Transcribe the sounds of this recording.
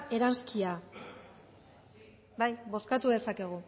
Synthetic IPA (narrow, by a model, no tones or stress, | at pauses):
e̞ɾanskia | bajbo̞skat̪uðe̞sake̞ɣ̞u